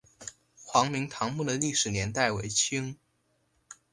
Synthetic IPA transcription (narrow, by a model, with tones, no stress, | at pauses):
xwɑ˧˥ŋmi˧˥ŋt̪ʰɑ˧˥ŋmu˥˩d̪ə˩li˥˩ʂɻ̩˨˩njɛ˧˥nt̪a˥˩ɪwe˧˥ɪt͡ɕʰi˥ŋ